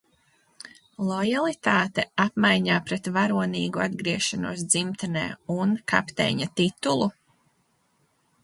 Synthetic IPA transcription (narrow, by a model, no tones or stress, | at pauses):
lˠɔjalˠit̪aːt̪ɛapmajɲaːpɾɛt̪vaɾuɔniːɡuad̪ɡɾiɛʃanuɔs̬d̪zimt̪ɛnɛ̰ːunka̰pt̪ɛ̰ːɲat̪it̪ulˠu